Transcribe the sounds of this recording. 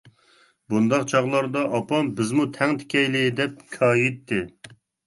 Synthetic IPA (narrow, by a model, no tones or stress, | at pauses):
bund̪ɑqt͡ʃʰɑʁlˠɑɾd̪ɑʔɑpɑmbɪzmut̪ʰɛŋt̪ʰɪ̥kʲɛjlɪd̪ɛp̚kʲʰɑːjit̪ːɪ